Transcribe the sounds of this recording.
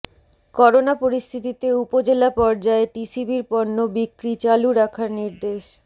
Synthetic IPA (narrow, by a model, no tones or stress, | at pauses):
kɔɾonapoɾist̪ʰit̪it̪eupod͡ʑelapɔɾd͡ʑaeʈisibiɾpɔɾnːobikɾit͡ɕaluɾakʰaɾniɾd̪eʃ